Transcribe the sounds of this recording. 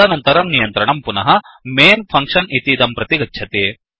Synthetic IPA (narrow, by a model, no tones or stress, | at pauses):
ɐnɐnt̪ɐɾɐmnijɐnt̪ɾɐɳɐmpunɐɦɐ | meːnpʰɐŋkʂɐnit̪id̪ɐmpɾɐt̪iɡɐːt͡ʃʰɐt̪e